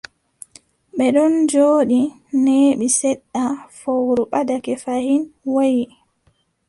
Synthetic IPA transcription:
ɓɛɗɔnd͡ʒoːɗi | neːɓisɛɗːafowɾuɓadakɛfahinwoji

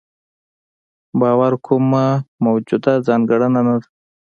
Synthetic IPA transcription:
bɑːwaɾkʰumamawd͡ʒud̪azɑnɡəɽənanad̪a

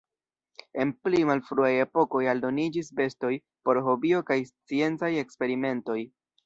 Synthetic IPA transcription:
e̞nplimalfɾuaje̞po̞ko̞jaldo̞nid͡ʒisbe̞sto̞j | po̞ɾɦo̞bio̞kajst͡sie̞nt͡saje̞kspe̞ɾime̞nto̞j

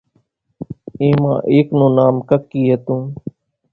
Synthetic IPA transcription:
ẽːmã̰ːʔeːknõːnaːmkəkːiːɦət̪ũː

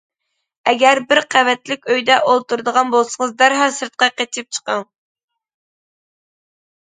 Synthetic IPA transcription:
ɛɡʲæɾbɪɾqʰævɛt̪lɪkʲøjd̪ɛʔolˠt̪uɾd̪əʁɑnbolˠsəŋəzd̪æɾɦɑsɨɾt̪̚qɑqet͡ʃ̪ʰɪp̚t͡ʃʰə̥qɑŋ

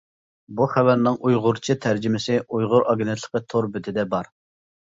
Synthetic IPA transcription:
buχævæɾnɪŋʔujʁʊɾt͡ʃʰit̪ʰæɾd͡ʒɪmɪsɪujʁʊɾɑɡnɛt̪ʰlˠə̥qət̪ʰoɾbɪt̪ʰɪd̪ɛbɑɾ

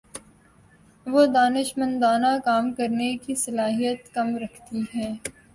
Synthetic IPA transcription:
ʋod̪aːnɪʃmə̃nd̪aːnakaːmkɐɾnekisɐlaːɦijət̪kɐmɾɐkʰt̪iɦɛ̃ː

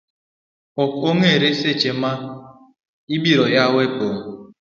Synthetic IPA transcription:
ɔkoŋeɾeset͡ʃema | ibiɾɔjawek͡poː

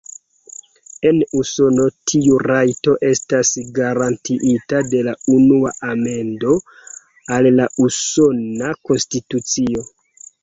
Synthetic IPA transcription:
e̞nuso̞no̞tʰiuɾajto̞ʔe̞stasɡaɾantʰiʔitade̞launuaʔame̞ndo̞ | alːaʔuso̞nako̞nstitut͡sio̞

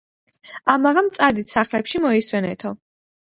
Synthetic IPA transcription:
amaʁamt̪sʼad̪it̪ʰsaχlɛpʃimɔiswɛnɛ̰t̪ʰɔ

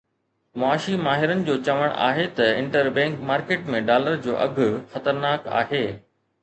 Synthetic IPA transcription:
mʊaːʃimaːɦɪɾənɪ̆d͡ʑoːt͡ɕɐʋəɽ̃a̰ːɦet̪ɐɪ̃ɳʈəɾbɛ̃ːŋkmaːɾkeːʈmẽɖaːləɾd͡ʑoːʔɐɡʱʊxɐt̪əɾnaːka̰ːɦeː

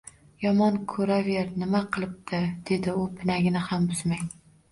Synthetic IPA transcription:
jɒmɒnkʰɵɾaveɾnɪmaqʰɨlˠɪp̚t̪ʰɪd̪̥e̞d̪ɪʊpʰɪnaɡʲɪnɪhambʊz̥maj

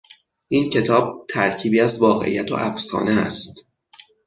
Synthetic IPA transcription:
ʔiːncʰe̞t̪ʰɒːb̥̚t̪ʰæɾcʰiːbiːæzvɒːɣe̞̰ʔḭjæt̪ʰo̰ʔæfsɒ̰ːneæ̰st̪

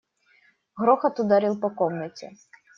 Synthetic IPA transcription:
ɣɾɔxɐt̪ud̪aɾɨlˠpɐkɔmnɐt͡sʲɛ̰

